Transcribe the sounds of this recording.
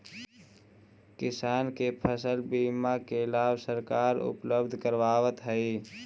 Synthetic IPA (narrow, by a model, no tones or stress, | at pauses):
kɪsaːnkepʰəsəlbiːmakeɪlaːʋsəɾkaːɾʊ̰pləbd̪ʱkəɾʋaːʋət̪ɦəi